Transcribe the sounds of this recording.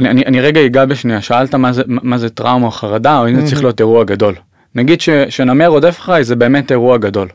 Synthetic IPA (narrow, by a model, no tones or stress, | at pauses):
anianiʔaniʁeɡaiɡabeʃniaʃaaltamazemamazetʁaumaχaʁadaoimzet͡sʁiχlijo̞teʁuaɡado̞l | naɡid̪ʃeʃenameʁodefeχaizebe̞ːme̞te̞ʁuaɡado̞l